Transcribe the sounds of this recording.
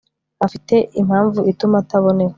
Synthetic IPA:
afite̞ʔim̥haːɱvuʔitumatʰaβo̞ne̞we

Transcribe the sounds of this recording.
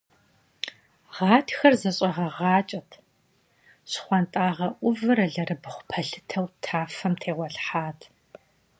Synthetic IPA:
ʁɑːtʰxɐrzɐɕʼɐʁɐʁɑːt͡ʃʼɐtʰ | ɕχʷantʼaːʁɐʔʷʊvɨɾɐɮɐrɨbɨχʷʊ̥pʰɐɬɨ̥tʰɐwtʰaːfɐmtʰeːʁʷɔɬħaːtʰ

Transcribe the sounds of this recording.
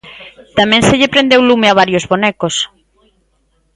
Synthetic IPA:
t̪amɛ̃nseʎepɾend̪ewlumeaβ̞aɾjozβonɛkos

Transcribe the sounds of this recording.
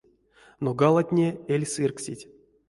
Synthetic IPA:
noɡalˠat̪ʲnʲeelʲsɨrksʲitʲ

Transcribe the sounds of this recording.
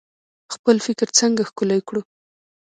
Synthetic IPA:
xpəlfɪkɾt͡səŋɡaxkʊlajkɽu

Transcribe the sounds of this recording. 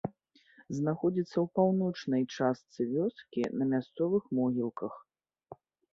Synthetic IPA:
znaxɔd͡zʲit̪sːɐwpawnɔt͡ʂnɐjt͡ʂast̪sɨvʲɔskʲḭnɐmʲast̪sɔvɨxmɔɣʲilˠkɐx

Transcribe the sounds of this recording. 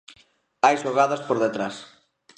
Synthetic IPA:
ajʃoɣaðɐspoɾðet̪ɾas

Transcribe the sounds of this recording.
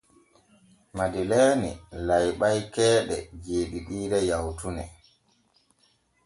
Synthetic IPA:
madilɛːnḭlajɓajkɛːɗɛ̰d͡ʒeːɗiɗiːɾɛjawtunɛ

